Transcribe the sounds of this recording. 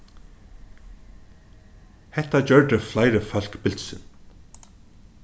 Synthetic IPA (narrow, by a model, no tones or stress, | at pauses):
hɛht̪at͡ɕœɹd̪əflajɾəfœl̥kbɪlt̪sɪn